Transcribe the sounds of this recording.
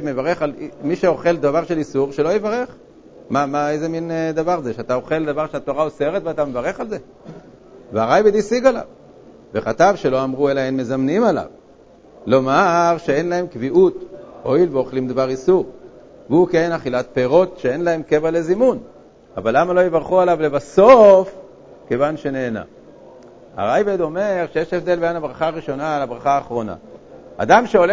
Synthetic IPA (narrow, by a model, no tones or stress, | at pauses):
mevaʁe̞χalmiʃeo̞χe̞ld̪avaʁʃe̞lisuʁʃe̞lo̞jevaʁe̞χ | mamaejzemind̪avaʁzeʃeat̪ao̞χe̞ld̪avaʁʃeat̪o̞ʁaose̞ʁet̪veatamevaʁe̞χalze̞ | veaʁajbid̪isiɡala̰v | ve̞χat̪avʃe̞lo̞amʁuelaenme̞zamnimala̰v | lo̞maʁʃeenlae̞mkviʔut̪ʔo̞ilveo̞χlimd̪vaʁisuʁ | veukenaχilat̪̚peʁo̞t̪ʃee̞nlae̞mke̞vale̞zimun | avalːamalo̞jevaʁχualavlebaso̞f | kevanʃe̞ne̞ːna̰ | a̰ʁajbed̪o̞me̞ʁʃejeʃefd̪e̞lbeanabʁaχaːʁiʃo̞naːlabʁaχaːχʁo̞na̰a̰d̪amʃeo̞le